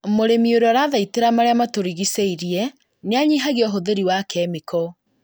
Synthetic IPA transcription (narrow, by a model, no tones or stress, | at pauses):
moɾemioɾɔɾaðaiteɾamaɾeamatoɾiɣiseiɾiɛ | neaɲiɦaɣeɔɦoðeɾiwakɛmikɔ